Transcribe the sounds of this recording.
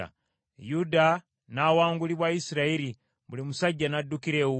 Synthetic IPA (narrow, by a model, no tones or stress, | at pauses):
a̰ | juda | nawaːŋɡuliβwaisiɾaeɾi | βulimusaɟːanadːukiɾe̞u